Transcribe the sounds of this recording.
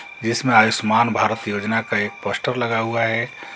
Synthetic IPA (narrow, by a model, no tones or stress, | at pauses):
d͡ʒɪsmẽaːjusmaːnbʱaːɾət̪joːd͡ʒnakaeːk̚pəsʈəɾləɡaɦuaɦɛ